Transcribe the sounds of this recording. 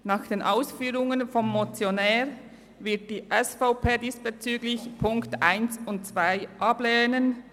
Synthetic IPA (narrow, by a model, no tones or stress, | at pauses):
naːχd̥eːnʔaʊsfyːʁʊŋənfɔmːot͡sjonɛːʁ | vɪɐt̚d̥iːʔɛsfaʊpʰeːdiːspet͡syːɡlɪçpʰʊŋktʔaɪnsʊnt̚t͡sv̥aɪʔɑbleːnən